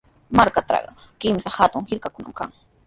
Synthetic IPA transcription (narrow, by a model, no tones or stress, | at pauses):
maɾkat̪ɑ̰ɢɑkɪmsahat̪ʊŋhɪɾkakʊna̰mka̰ŋ